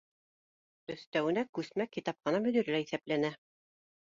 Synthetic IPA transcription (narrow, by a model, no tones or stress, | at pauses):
ɵ̆θt̪æwɘ̆nækʉsmækit̪ɑp̚qɤ̆nɑmɵ̆d̪iɾɘlæiθæplænæ